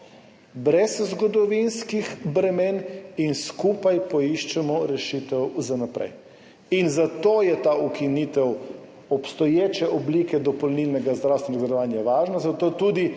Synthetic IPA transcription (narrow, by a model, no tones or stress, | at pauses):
bɾɛzzɡɔd̪ɔʋinskixbɾɛmeːninskuːpajpɔiʃt͡ʃɛmɔɾɛʃiːt̪ɛwzanapɾɛ̰j | inzat̪ojɛt̪aukinit̪ɛw | ɔpst̪ɔjeːt͡ʃɛʔɔblikɛd̪ɔpɔlnilnɛɡazd̪ɾawst̪ʋɛnɔɡad̪ɔʋaːnjaʋaːʒnazat̪oːt̪uːd̪i